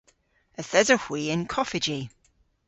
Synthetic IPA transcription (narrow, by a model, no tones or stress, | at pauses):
əθɛzəhw̥iːɪ̃nkʰɔfɪd͡ʒi